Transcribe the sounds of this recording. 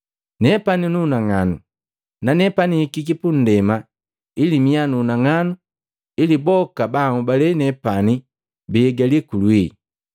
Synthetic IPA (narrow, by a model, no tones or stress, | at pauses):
nɛpaninunaŋanṵ | nanɛpanikikipun̩dɛma | ilimianuːnaŋanu | ilibɔkabaŋubalɛnɛpani | bɛɡalikulwi